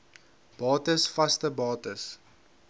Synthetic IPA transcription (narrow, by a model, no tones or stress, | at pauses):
b̥ɑːtəsfɐstəbɑːtəs